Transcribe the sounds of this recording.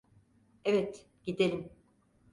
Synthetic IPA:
evɛt̪ | ɟ̥id̪elʲim

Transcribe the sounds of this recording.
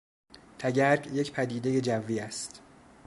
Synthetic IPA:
t̪ʰæɟæɾɟjecpʰæd̪iːd̪eje̞d͡ʒævːiːæst̪

